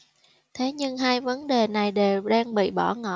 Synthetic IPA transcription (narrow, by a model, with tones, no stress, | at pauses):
t̪ʰe˨˦ɲɨ˧ŋɦaː˧jvə˨˦nɗe˨˩na˨˩jɗe˨˩wɗaː˧ŋɓḭ˧˨ɓɔ˧˩ŋɔ̰˧˨